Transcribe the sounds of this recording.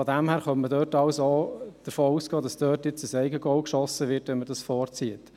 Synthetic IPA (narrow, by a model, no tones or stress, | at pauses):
fɔdæmhæːɾχœmmədœːtɑwsoːd̥əɾfoːuːsɡ̥ɑːd̥ɑsd̥øːtjɪt͡səsɛɪɡəɡɔʊkʃɔsəʋɪːɾtʋɛnməɾdɑsfɔːɾt͡siət